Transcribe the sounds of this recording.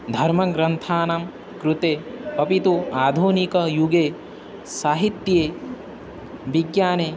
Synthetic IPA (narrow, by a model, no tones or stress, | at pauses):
d̪ʱɐɾmɐɡɾɐnt̪ʰaːnɐm | kɾut̪eːpɐpit̪uaːd̪ʱuːnikɐjuɡeː | saːɦit̪jeː | ʋiɡjaːneː